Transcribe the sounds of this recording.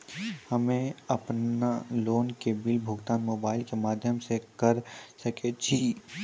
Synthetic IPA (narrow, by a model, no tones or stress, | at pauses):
hɐmẽɐpnaloːnkebɪlbʱʊːɡt̪aːnmoːbaːɪlkemaːd̪ʱjəmsekɐɾsɐket͡ʃʰi